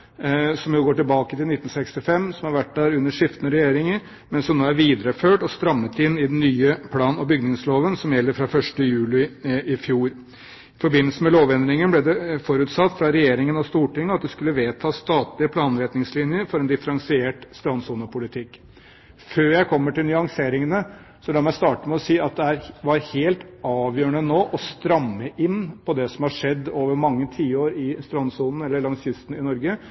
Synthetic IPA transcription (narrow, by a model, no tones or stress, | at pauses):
sɔmjʊɡoːʈɪlbɑːkət̪ɪlnɪt̪ːn̩sɛkst̪ɪfɛmːsɔmhɑɾʋæʈ̚ːd̪æːɾʉnːəʂɪft̪ənəɾɛjeːɾɪŋəɾ | mɛnsɔmnoːæɾʋiːd̪əɾəføːʈɔst̪ɾɑmːət̪ɪnːɪd̪ɛnːyːəpʰlɑːnɔbʏɡnɪŋsloːʋənsɔmjɛlːəɾfɾɑfœʂʈəjʉːlɪɪfjuːɾ | ɪfɔɾbɪnːəlsəmɛloːʋɛnd̪ɾɪŋənblɛd̪ɛfɔɾʉːt̪sɑt̪ːfɾɑɾɛjeːɾɪŋənɔst̪uːʈɪŋːəɑt̪̚d̪ɛskʉlːəʋeːt̪ʰɑːst̪ɑːt̪lɪəpʰlɑːnɾɛt̪nɪŋslɪnjəɾfɔɾɛnd̪ɪfəɾɑŋsɪeːʈst̪ɾɑnsuːnəpʰʊlɪt̪ʰɪkː | føːɾjæɪkʰɔmːəʈɪlnʏɑŋseːɾɪŋənə | sɔlɑːmæɪst̪ɑːʈəmɛɔsiːɑt̪̚d̪ɛæɾʋɑɾheːlt̪ɑːʋjøːɳənoːʔɔst̪ɾɑmːəʔɪnpʰɔd̪ɛsɔmhɑʂɛd̪ːoːʋəɾmɑŋːət̪ʰiːoːɾɪst̪ɾɑnsuːnn̩ɛlːəɭɑŋsjʏst̪n̩ɪnɔɾɡə